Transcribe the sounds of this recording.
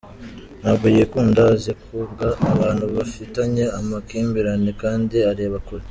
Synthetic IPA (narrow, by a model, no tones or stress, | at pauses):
naːbɡijekuːndazekubɡaːβaːn̥huβafitaɲe̞amakiːmbiɾanekaːndiaɾeːβakoɾi